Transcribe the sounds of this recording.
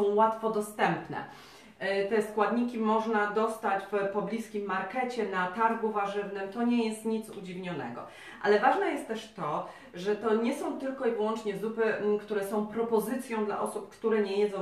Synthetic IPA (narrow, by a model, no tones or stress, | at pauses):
ɔ̃w̃wat̪fɔd̪ɔst̪ɛmpnɛ̰ | t̪ɛskwad̪ɲikʲimɔʐnad̪ɔst̪at͡ɕfpɔblʲiskʲimːaɾkɛt͡ɕɛnat̪aɾɡuvaʐɘvnɘmt̪ɔɲɛjɛst̪ɲit̪sud͡ʑivɲɔnɛ̰ɡɔ̰ | ʔa̰lɛvaʐnɛjɛst̪t̪ːɛʂt̪ɔ | ʐɛt̪ɔɲɛsɔ̃w̃t̪ɘlkɔivwɔnt͡ʂɲɛzupɘkt̪uɾɛsɔ̃w̃pɾɔpɔzɘt̪sʲjɔ̃w̃d̪la̰ʔɔsupkt̪uɾɛɲɛjɛd̪zɔ̃w̃